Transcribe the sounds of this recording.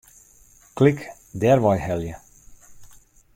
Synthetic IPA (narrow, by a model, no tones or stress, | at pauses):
klik | dɛrʋɔjhɛljə